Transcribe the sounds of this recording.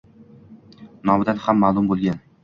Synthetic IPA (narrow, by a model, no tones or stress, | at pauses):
nɒbɪd̪anhamːaːlˠʊmbolˠɡʲan